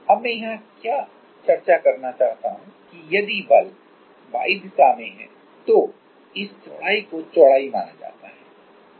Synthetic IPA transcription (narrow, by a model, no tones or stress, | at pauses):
ɐbmɛ̃ːjɐɦãkjaː | t͡ʃɐɾt͡ʃakɐɾnat͡ʃaːɦt̪aɦũkijɐd̪ibɐl | ba̰ːɪd̪saːmẽɦɛ̰̃ː | t̪o | ɪst͡ʃʊɽaːikot͡ʃɔɽaːima̰ːnad͡ʒa̰ːt̪a̰ɦɛː